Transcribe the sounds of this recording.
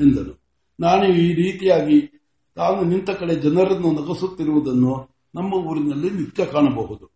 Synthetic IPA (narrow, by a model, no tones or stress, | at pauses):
end̪ɐlu | naːnuiːɾiːt̪ijaːɡi | t̪aːnunint̪ɐkɐɭed͡ʒɐnɐɾɐnːunɐɡɐsut̪ːiɾuʋud̪ɐnːu | nɐmːɐuːɾinɐlːinit̪jɐkaːɳɐbɐɦud̪u